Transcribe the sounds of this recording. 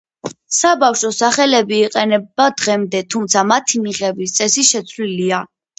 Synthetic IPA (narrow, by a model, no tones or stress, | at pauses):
sabafʃɔsaχɛlɛbiːqʼɛnɛbad̪ʁɛmd̪ɛt̪ʰumt̪sʰamat̪ʰimiʁɛbis̬t̪sʼɛsiʃɛt̪sʰlilia